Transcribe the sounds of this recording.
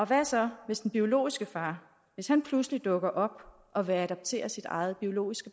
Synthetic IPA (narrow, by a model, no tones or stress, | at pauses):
ɒ̽ʋæsɒ̽ʋe̝sd̥n̩b̥io̝lo̝̰ːisɡ̥əfɑ̈ː | ʋe̝shænpʰluslid̥ɔ̽ɡ̥ɐʔɒ̽b̥ | ʔɒ̽ʋeæɾɑ̈b̥̚t͡sʰe̝̰ːɐsid̥ɑ̈ɪð̞̩ˠb̥io̝lo̝̰ːisɡ̥ə